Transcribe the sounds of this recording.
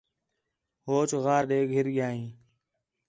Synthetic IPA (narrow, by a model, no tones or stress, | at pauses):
ɦoːt͡ʃɣaːɾɗeːɡʱɪɾɠjaːɦĩː